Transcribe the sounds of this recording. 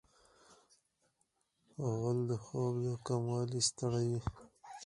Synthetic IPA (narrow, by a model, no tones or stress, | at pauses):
aɣald̪əxoːblakamɑlist̪aɽaji